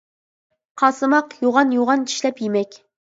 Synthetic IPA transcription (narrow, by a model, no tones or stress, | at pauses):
qʰɑːsɨmɑqjoʁɑnjoʁɑnt͡ʃʰi̥ʃlɛpjemɛkʲ